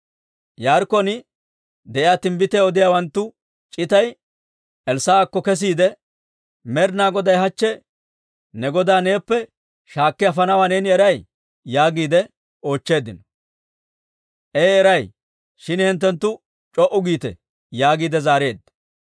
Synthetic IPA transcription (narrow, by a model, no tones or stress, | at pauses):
jaːɾkːɔnɪ | d̪ɛʔɪjaːt̪ɪmbɪt̪ɛːɔd̪ɪjaːwɐnt̪ːʊ | t͡ʃʼɪt̪ɐj | ɛlsaaːkːɔkɛs̬iːd̪ɛ | mɛɾnaːɡɔd̪ɐjɦɐt͡ʃːɛ | nɛɡɔd̪aːneːpːɛ | ʃaːkːɛɐfɐnɐwaːneːnɪɛɾɐj | jaːɡiːd̪ɛ | o̞ːt͡ʃːe̞ːd̪ɪnɔ | ʔeːɛɾɐj | ʃɪnhɛnt̪ːɛnt̪ːʊ | t͡ʃʼɔʔʊɡiːt̪ɛ̰ | jaːɡiːd̪ɛzaːɾe̞ːd̪ːɐ